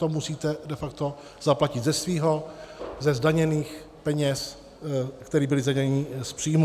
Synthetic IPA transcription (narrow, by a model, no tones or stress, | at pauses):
t̪omusiːt̪ɛdɛfak̚t̪o̞ | z̥aplacɪd̪zɛsviːɦo̞zɛzdaɲɛniːx | pɛɲɛs | kt̪ɛɾiːbɪlɪzdaɲɛɲɲɪspr̥iːm